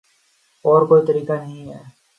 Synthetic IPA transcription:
ɔːɾkoit̪ɐɾiːkaneĩɛː

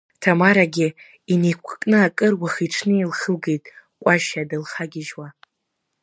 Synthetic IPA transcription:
tʰamaɾaɡʲɪ | inikʷʰkʼnɨakʼɨrwaχiʈ͡ʂʰnɨilχəlɡe̞jtʼkʷʼaʃadɨlχaɡʲɪʒwa

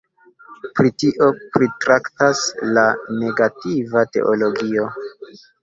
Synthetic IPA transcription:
pɾitiʔo̞pɾitɾaktaslane̞ɡativate̞̰ʔo̞lo̞ɡio̞

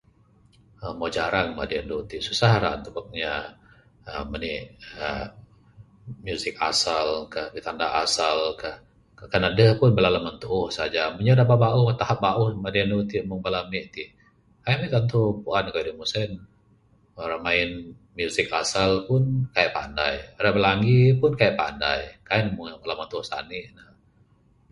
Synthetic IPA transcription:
əmod͡ʒaɾaŋma̰dianduut̪isusahɾa̰ʔnt̪əbək̚ɲa | əməniə | mjusɪka̰salkahbit̪andaɦa̰salkah | kanadəhpʊnbəlalamənt̪uʔːhsad͡ʒaməɲadababauht̪ahap̚baʔʊhmadiəndut̪imoŋbalamiʔt̪i | kajamit̪ant̪upuankaidəmusɛn | oɾamaɪn | mjusɪk̚a̰salpʊnkajaʔpa̰nda̰jaɾabəlaŋɡipʊnkajaʔpa̰nda̰jkainmʊŋbəlamant̪uʊhsa̰nɪʔnə

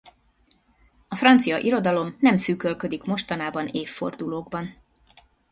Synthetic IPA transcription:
ɒfrɒnt̪sijɒʔiɾo̞d̪ɒlo̞mnɛmsyːkø̞lkø̞d̪ikmo̞ʃt̪ɒnaːbɒneːfːo̞̰rd̪uloːɡ̚bɒn

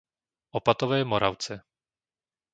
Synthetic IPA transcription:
ʔopat̪ovɛːmoɾʔa̰wt͡sɛ

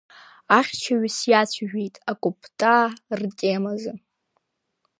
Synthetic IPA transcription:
aχʲt͡ʃʰaɥsjat͡ɕʷʰʒᶣejtʼakʷʼʊpʰtʼaːrtʼemazɨ

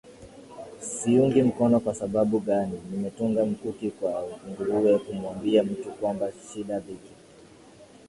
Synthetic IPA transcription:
siuŋɡim̩kɔnɔkwasaɓaɓuɠaninimɛtuŋɡam̩kukikwauuŋɡuɾuɛkumuambiam̩tukwambaʃiɗaviki̥

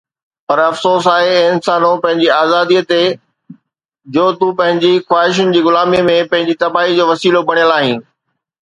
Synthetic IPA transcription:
pɐɾɐfsoːs̬aːɦẽɪnsaːnõpɐ̃ɦɪ̃ɲd͡ʑiaːzaːd̪iət̪e | d͡ʑoːt̪ũpɐ̃ɦɪ̃ɲd͡ʑixwaːɦɪʃ̬ʊnɪ̆d͡ʑiːɣʊlaːmimẽpɐ̃ɦɪ̃ɲd͡ʑit̪ɐbaːɦid͡ʑoːʋɐsiːlobɐɽ̃ijəlaːɦɪ̃ː

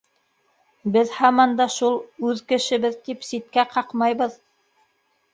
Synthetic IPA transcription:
bɘðhɑmɑnd̪ɑʃulˠʉðkɘ̆ʃɘ̆βɘðt̪ipsit̪̚kæqʰɑqmɑjβɤð

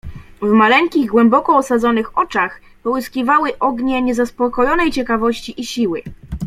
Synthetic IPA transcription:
vmalɛŋkʲiɣɡwɛmbɔkɔɔsad̪zɔnɘxɔt͡ʂax | pɔwɘskʲivawɘʔɔɡɲɛɲɛzaspɔkɔjɔnɛjt͡ɕɛkavɔɕt͡ɕiʔiɕiwɘ̰

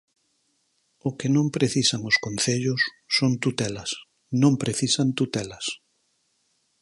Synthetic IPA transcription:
okenõmpɾeθisaŋʊskõn̟θeʎʊsː | ont̪ut̪ɛlɐs | nõmpɾeθisant̪ut̪ɛlɐs

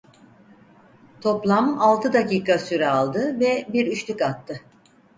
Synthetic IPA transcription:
t̪ʰo̞plˠamalˠt̪ʰɯd̪aciːkasyɾɛalˠd̪ɯvɛbiɾyʃt̪ʰykat̪ʰːɯ

